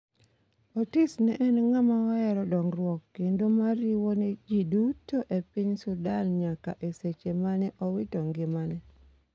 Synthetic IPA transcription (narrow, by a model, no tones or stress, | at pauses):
otisnɛʔɛnŋamaɔɛɾɔdɔŋrwɔkːendomaɾiwoned͡ʒidutːoʔepɪɲsʊdanɲaka̰ʔeset͡ʃemanɛʔɔwɪtɔŋɡɪmanɛ